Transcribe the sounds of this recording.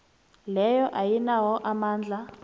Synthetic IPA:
lɛjɔʔajinawɔʔamaːnd͡ɮʱa

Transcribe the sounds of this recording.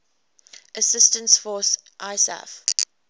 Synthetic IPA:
ʔəsɪstə̃nsfɔsʔaɪsɛ̰f

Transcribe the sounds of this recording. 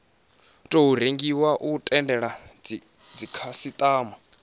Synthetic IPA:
tʼoɦuɾ̤eŋɡiwaʔutʼɛndɛɺa | d͡zikʰasit̪ʼaːma

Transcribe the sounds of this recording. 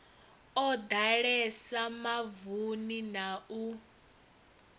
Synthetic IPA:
ɔd̪aɺɛsamavuninau

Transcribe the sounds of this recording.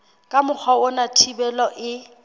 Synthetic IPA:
kʼamʊk͡xʰwaʊnatʰibɛlɔʔɪ

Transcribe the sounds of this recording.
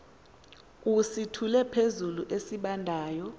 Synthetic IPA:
usitʰulɛpʰezuluʔesiɓandʱaːjɔ

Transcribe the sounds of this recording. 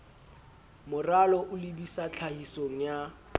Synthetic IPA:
mʊralɔʔʊlɪbisat͡ɬʰahisoŋ̩ja

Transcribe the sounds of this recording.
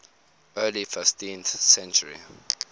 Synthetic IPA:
ɜːlifɪstĩnθsɛ̃nt͡ʃuɹḭ

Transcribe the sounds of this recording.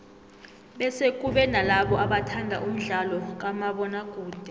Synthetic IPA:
ɓɛsek̬uɓɛnalaɓɔʔaɓatʰandʱa̰ʔum̩ɮalɔk̬amaɓɔnakʼuːd̥ʱɛ

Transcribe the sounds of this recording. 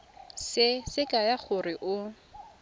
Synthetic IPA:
sɪsɪkʼajaχʰʊrɪʔʊ

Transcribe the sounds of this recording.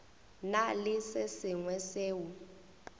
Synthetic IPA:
nalɪsɪsɪŋwɛseːwu

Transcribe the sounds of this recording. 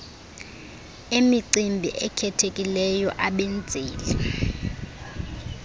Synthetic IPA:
emiǀimbʱiʔɛkʰɛtʰekʼilɛjɔʔaɓent͡sʼiːli

